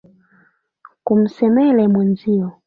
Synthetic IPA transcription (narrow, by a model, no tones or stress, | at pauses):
kum̩sɛmɛlɛmwɛnziɔ